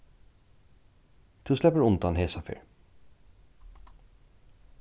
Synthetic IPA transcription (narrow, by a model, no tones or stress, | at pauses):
d̪̥ʉːslɛpəɹʊnt̪ɑnheːsɑfy̰ːɹ